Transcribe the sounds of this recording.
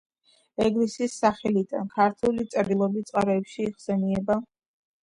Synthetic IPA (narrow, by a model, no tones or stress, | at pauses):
ɛɡlisisːaχɛlid̪a̰nkʰaɾt̪ʰulit̪sʼɾd̪ilˠɔbit̪sʼqʼaɾɛːpʃiːχsɛniɛba